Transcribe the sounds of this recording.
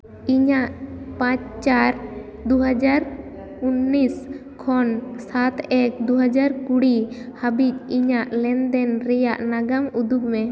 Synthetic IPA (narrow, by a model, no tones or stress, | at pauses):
iɲaʔpãt͡ʃt͡ʃaɾ | d̪uɦad͡ʒaɾ | unːis | kʰɔnsat̪ɛk̚d̪uɦad͡ʒaɾkuɽihabic̚ˀiɲaʔlɛnd̪ɛnɾɛjaʔnaɡamud̪uɡmɛ